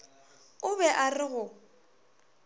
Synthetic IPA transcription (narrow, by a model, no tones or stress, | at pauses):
ʊbɛʔarɪɣʊ